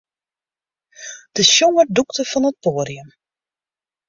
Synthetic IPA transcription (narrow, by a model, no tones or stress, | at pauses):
d̥əʃjoŋərduktəfɑnət̚poːɾiəm